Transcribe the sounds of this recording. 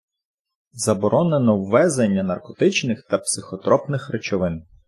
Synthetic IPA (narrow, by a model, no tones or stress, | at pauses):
zɐbɔɾʔɔnenɔwːɛzenʲːɐnɐrkɔt̪ɪt͡ʃnɪxt̪ɐpsɪxɔt̪ɾɔpnɪxɾet͡ʃɔʋɪn